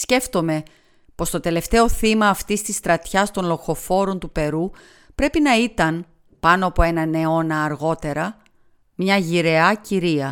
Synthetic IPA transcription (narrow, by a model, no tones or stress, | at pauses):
sce̞ft̪o̞me̞ | po̞st̪o̞t̪e̞le̞ft̪e̞o̞θimɐːft̪ist̪ist̪ɾɐt̪çɐst̪o̞nlo̞xo̞fo̞ɾo̞nt̪upe̞ɾu | pɾe̞pinɐit̪ɐn | pɐno̞ɐpo̞e̞nɐne̞o̞nɐːɾɣo̞t̪e̞ɾɐ | mɲɐʝiɾe̞ɐciɾiɐ